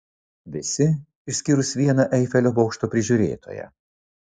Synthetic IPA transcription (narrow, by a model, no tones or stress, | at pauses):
ʋʲɪsʲɪ | ɪʃʲsʲkʲiɾʊsʋʲiɛnɐʔɛɪfʲɛlʲoːbɔʊkʃt̪oːpʲɾʲɪʒʲʊːɾʲḛːt̪ʰo̰ːjɛ̰